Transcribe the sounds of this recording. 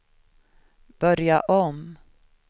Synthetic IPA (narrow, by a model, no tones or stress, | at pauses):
b̥œɾjaʔɔm